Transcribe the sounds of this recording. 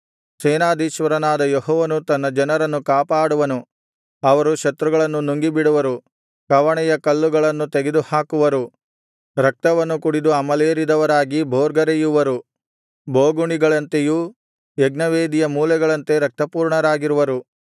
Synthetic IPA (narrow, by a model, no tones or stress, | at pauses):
seːnaːd̪iːʃʋɐɾɐnaːd̪ɐjoɦɔːʋɐnut̪ɐnːɐd͡ʒɐnɐɾɐnːukaːpaːɽuʋɐnu | ɐʋɐɾuʃɐt̪ɾuɡɐɭɐnːunuŋɡibiɽuʋɐɾu | kɐʋɐɳɛjɐkɐlːuɡɐɭɐnːut̪eɡed̪uhaːkuʋɐɾu | ɾɐk̚t̪ɐʋɐnːukuɽid̪uɐmɐleːɾid̪ɐʋɐɾaːɡibʱoːɾɡɐɾejuʋɐɾu | bʱoːɡuɳiɡɐɭɐnt̪eju | jeɡnɐʋeːd̪ijɐmuːlɛɡɐɭɐnt̪e̞ɾɐk̚t̪ɐpuːɾɳɐɾaːɡiɾuʋɐɾu